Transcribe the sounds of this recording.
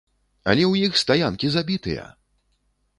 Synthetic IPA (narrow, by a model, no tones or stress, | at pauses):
a̰lʲɛwjixst̪ajankʲizabʲit̪ɨ̰jɐ̰